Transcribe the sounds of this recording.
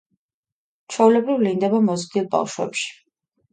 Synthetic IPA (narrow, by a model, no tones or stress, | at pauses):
t͡ʃʰɔulɛbɾivlind̪ɛbamɔzd̪ilˠba̰vʃwɛ̰pʃi̥